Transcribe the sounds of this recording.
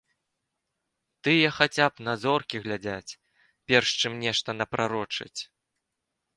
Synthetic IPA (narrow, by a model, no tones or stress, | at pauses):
t̪ɨjɐxat͡sʲapnazɔrkʲiɣlʲad͡zʲat͡sʲ | pʲɛrʂt͡ʂɨmnʲɛʂt̪ɐnɐpɾaɾɔt͡ʂɨ̰t͡sʲ